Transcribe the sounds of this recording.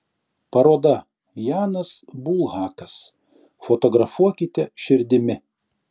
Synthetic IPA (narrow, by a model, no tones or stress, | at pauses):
pɐɾoːd̪ɐ | jɑːnɐsbulˠɣɑːkɐs | fot̪ɔɡɾɐfuɔkʲɪt̪ʲɛʃʲɪɾʲd̪ʲɪmʲɪ